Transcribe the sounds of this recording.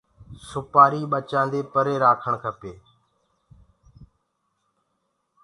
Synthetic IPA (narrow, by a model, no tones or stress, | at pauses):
sʊpaːɾiːɓət͡ʃãːnd̪eːpəɾeːɾaːkʰəɳkʰəpeː